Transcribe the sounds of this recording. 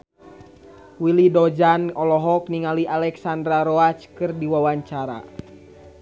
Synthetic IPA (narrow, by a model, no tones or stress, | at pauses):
wilidɔd͡ʒanɔlɔɦɔkniŋaliʔalɛksandɾaɾɔat͡ʃkɨrdiwawaɲt͡ʃaɾa̰